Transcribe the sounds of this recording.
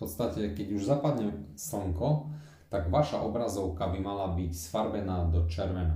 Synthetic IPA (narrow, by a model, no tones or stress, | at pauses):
pɔt̪st̪acɛkɛɟuʒzapad̪ɲɛsl̩ɔŋkɔ | t̪aɡʋaʃa̰ʔɔbɾazɔʊkabimalabicsfaɾbɛnaːd̪ɔt͡ʃɛɾʋɛna